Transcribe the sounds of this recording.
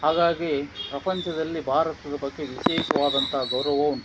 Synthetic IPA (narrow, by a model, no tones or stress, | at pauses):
ɦaːɡaːɡepɾɐpɐɲt͡ʃʰɐd̪ɐlːibʱaːɾɐt̪ɐd̪ɐbɐɡːe̞ʋiʃeːʃɐʋaːd̪ɐnt̪ɐɦɐɡɐwɾɐʋoːn